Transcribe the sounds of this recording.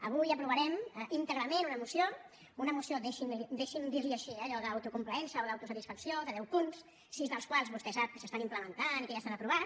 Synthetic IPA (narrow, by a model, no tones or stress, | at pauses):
əβ̞ujəpɾuβəɾɛmʔint̪əɣɾəmẽnunəmusio | unəmusioðeʃind̪eʃind̪iɾliəʃiɛʎɔðəːwt̪ukumpləɛnsəoðawt̪usət̪isfəksjoðəðɛwpuns | sizðəlˠskwalˠzβuskəsap̚kə̥səst̪animpləmənt̪anikəjast̪anəpɾuβa